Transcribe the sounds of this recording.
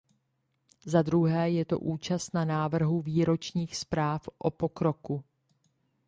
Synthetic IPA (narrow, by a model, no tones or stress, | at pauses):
zad̪ɾuɦɛːjɛt̪o̞̰ʔuːt͡ʃast̪nanaːvr̩ɦuviːɾo̞t͡ʃɲiːxspɾaːfʔopo̞kɾo̞ku